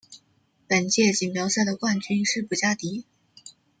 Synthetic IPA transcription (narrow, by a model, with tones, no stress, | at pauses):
pə˨˩nt͡ɕjɛ˥˩t͡ɕi˨˩npjɑ˧˥ʊɕja˥˩d̪ə˩kwa˥˩nt͡ɕy˥nʂɻ̩˥˩pu˧˩t͡ɕja˥˩t̪i˧˥